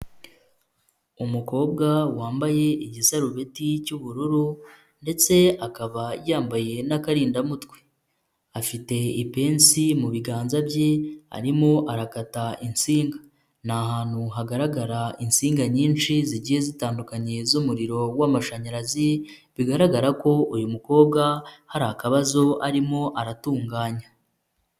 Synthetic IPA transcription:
umuko̞ːb̚ɡawaːmbaje̞iɟisaɾuβe̞ticuβuɾuɾu | nde̞t͡se̞akaβajaːmbaje̞nakaɾiːndamutwe̥ | afite̞ipe̞ːnsimuβiɡaːnzabjea̰ɾimo̞ʔaɾakatainsiːŋɡa | nahaːn̥huɦaɡaɾaɡaɾainsiːŋɡaɲiːnʃiziɟiːje̞zitaːndukaɲe̞zumuɾiɾo̞wamaʃaɲaɾazi | βiɡaɾaɡaɾako̞ujumuko̞ːb̚ɡahaɾahakaβazo̞aɾimo̞ʔaɾatuːŋɡaːɲa

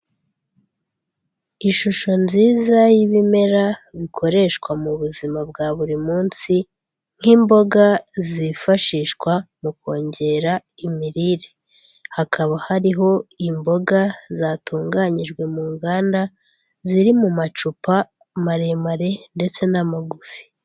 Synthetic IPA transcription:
iʃuʃo̞nziːzajiβime̞ɾaβikʰo̞ɾe̞ʃkwamuβuzimab̚ɡaːβuɾimuːnsi | ŋ̥himbo̞ɡazifaʃiːʃkwamuko̞ːɲɟe̞ɾa | imiɾiɾe | hakʰaβahaɾiɦo̞imbo̞ɡazaːtuːŋɡaɲiʒɡwe̞muːŋɡaːnda | ziɾimumat͡ʃupa | maɾe̞maɾe̞nde̞t͡se̞namaɡufi̥

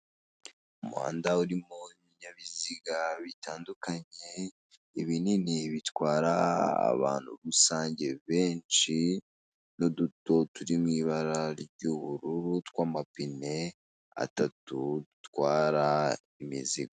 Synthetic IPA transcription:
umuha̰ːndauɾimoimiɲamiziɡaβitʰaːndukaɲe̞ | iβininiβitwaːɾa̰ːβa̰ːn̥huɾusaːɲɟe̞βe̞ːnt͡ʃi | noduto̞tuɾimŋiːβaɾaɾɟuβuɾuɾutkwaːmapine̞ | a̰tatudutwaːɾa | imizḭɡa

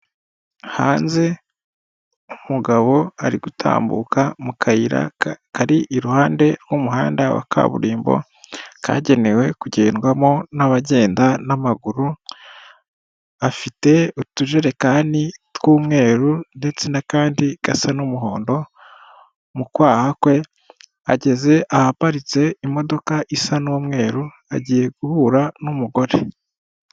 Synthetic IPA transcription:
haːnze̞ | umuɡaβo̞aɾiɡutʰa̰ːmbṵkamukʰaiɾa̰kaɾiʔiɾuhaːnde̞ɾɡumuɦaːndawa̰kʰa̰βṵɾiːmbo̞̰ | kʰa̰ɟe̞ne̞we̞kuɟe̞ːnɡwamo̞naβaɟe̞ːndanamaɡuɾu | afite̞utuʒe̞ɾe̞kaːnitwuːmŋe̞ːɾunde̞t͡se̞nakaːndiɡ̥a̰sanumuɦo̞̰ːndo̞ | mukwaːhakwe̞ | aɟe̞ze̞ʔahapaɾit͡se̞imo̞do̞kaʔisanumŋe̞ːɾu | aɟiːje̞ɡ̥uhuɾanumuɡo̞ɾe

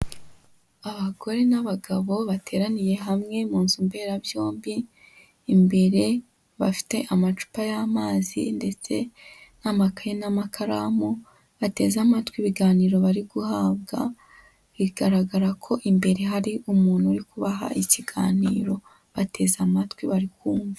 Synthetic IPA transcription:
aβaɡo̞ɾe̞naβaɡaβo̞βatʰe̞ɾanije̞ɦamŋe̞muːnzumbe̞ɾaβjoːmbiː | mbe̞ɾe̞ | βafi̥te̞ʔamat͡ʃu̥pajamaːzḭnde̞t͡se̞namakajenamakʰaɾamo | βate̞̰zamatwiβiɡaːniːɾo̞βaɾiɡuhabɡa̰ | iɾiɡaɾaɡaɾakʰo̞ʔimbe̞ɾe̞ɦaɾiumuːnhuɾikuβaɦa̰ʔiciɡaːnḭːɾo̞ | βatʰe̞ːzamatwiβaɾikuːɱva

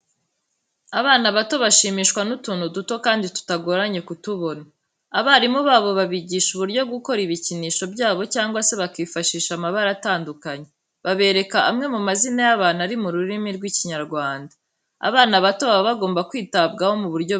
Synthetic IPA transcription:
aβaːnaβato̞βaʃiːmiːʃkwanutuːnhuduto̞kaːnditu̥taɡo̞ɾaɲe̞kutuβo̞naː | βaɾimuβaːβo̞βaβiɟiːʃuβuɾɟo̞bɡuko̞ɾiβiciniːʃo̞bɟaːβo̞caːŋɡwase̞βakiːfaʃiːʃamaβaɾataːndukaɲe̞ | βaβe̞ːɾe̞kaʔamŋe̞mumazinajaβaːnaɾimuɾuɾimiɾɡwiciɲaɾɡwaːnda | a̰βaːnaβato̞ββaɡo̞ːmbakwiːtabɡaho̞muβuɾɟo

